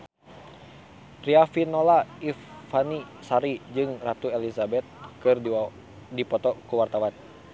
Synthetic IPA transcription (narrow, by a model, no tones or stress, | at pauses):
riafinolaifani | saɾid͡ʒɨŋrat̪uɛlizabɛt̪̚kɨr | dipɔt̪ɔkuwart̪awan